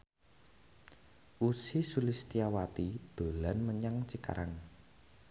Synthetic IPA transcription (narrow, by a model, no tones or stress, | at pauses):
ʔusisulist̪iawat̪id̪̥o̤lanməɲaŋt͡ʃika̰ɾan